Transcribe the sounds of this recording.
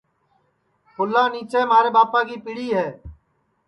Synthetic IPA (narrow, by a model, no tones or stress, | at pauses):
hʊlːãːniːt͡ʃeːmaːɾeːbaːpaːɡiːpɪɽiːɦɛː